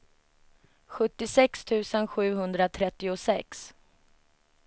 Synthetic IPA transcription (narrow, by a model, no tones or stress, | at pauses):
ɧɵt̪ːɪsɛkst̪ʰʉ̟ːsənɧʉ̟ːɦɵnd̪ɾat̪ʰɾɛt̪ːɪʊsɛks